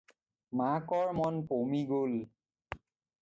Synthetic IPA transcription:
makɔɹmɔnpomiɡol

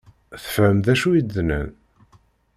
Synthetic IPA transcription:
θə̥fəmðæʃujid̪ːnə̰n

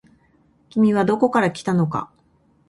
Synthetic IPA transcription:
kʲimʲiβad̪o̞ko̞kaɾakʲi̥t̪ano̞ka̰

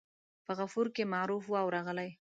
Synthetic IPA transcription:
pəɣafuɾkemɑɾufwawɾɑɣəlaj

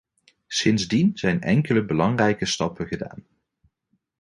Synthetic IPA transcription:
sɪnzdinz̥ɛjnɛ̰ŋkələbəlɑŋrɛjkəstɑpəχəda̰ːn

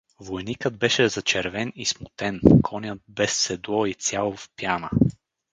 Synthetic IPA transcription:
vojnikəd̪̚bɛʃɛzɐt͡ʃɛɾvɛnismʊt̪ɛnkʰɔnʲət̪̚bɛsːɛd̪lˠɔit̪sʲjalˠʊfpjanə

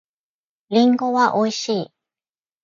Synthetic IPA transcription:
ɾʲĩŋɡoβaʔoiɕiː

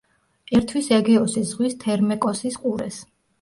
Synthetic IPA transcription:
ɛɾt̪ʰwisɛɡɛɔsizʁwist̪ʰɛɾmɛkʼɔsisqʼuɾɛ̰s

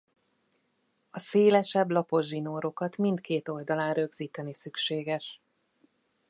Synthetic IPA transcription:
ɒseːlɛʃɛblɒpo̞ʒinoːɾo̞kɒt̪mint̪keːt̪o̞ld̪ɒlaːnrø̞ɡziːt̪ɛnisykʃeːɡɛʃ

